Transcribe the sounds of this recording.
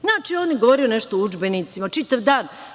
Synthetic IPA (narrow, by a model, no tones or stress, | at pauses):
znaːt͡ʃioːnjeɡoʋoːɾio̞nɛʃt̪oud͡ʒbe̞nit̪simat͡ʃit̪aʋd̪aːn